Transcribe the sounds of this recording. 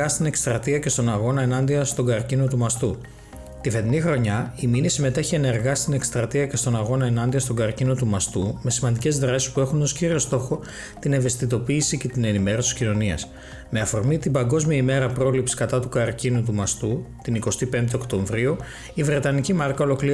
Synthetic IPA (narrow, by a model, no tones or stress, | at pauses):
ɐst̪ine̞kst̪ɾɐt̪iɐce̞st̪o̞nɐɣo̞nɐe̞nɐnd̪iɐst̪o̞ɡɐɾcino̞t̪umɐst̪u | t̪ife̞t̪inixɾo̞ɲɐiminisime̞t̪e̞çie̞ne̞ɾɣɐst̪ine̞kst̪ɾɐt̪iɐce̞st̪o̞nɐɣo̞nɐe̞nɐnd̪iɐst̪oɡɐɾcino̞t̪umɐst̪ume̞simɐnd̪ice̞zðɾɐsi̥spue̞xuno̞sciɾio̞st̪o̞xo̞ | t̪ine̞ve̞st̪it̪o̞piːsice̞t̪ine̞nime̞ɾo̞siscino̞niɐ̰s | me̞ɐfo̞ɾmit̪imbɐŋɡo̞zmiɐime̞ɾɐpɾo̞lipsi̥kɐt̪ɐt̪ukɐɾcinut̪̬umɐst̪ut̪iniko̞st̪ipe̞nd̪e̞o̞kt̪o̞ɱvɾiu | ivɾe̞t̪ɐnicimɐɾkɐo̞lo̞kli